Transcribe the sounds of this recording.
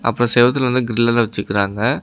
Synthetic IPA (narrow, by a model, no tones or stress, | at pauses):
ʔɐ̰pːɯɾõsɛːʋɐt̪̬ːɪlʋɐnd̪ɯɡɪɾɪlːɐlɐʋɐt͡ʃːɯkːɪɾaːŋɡɐ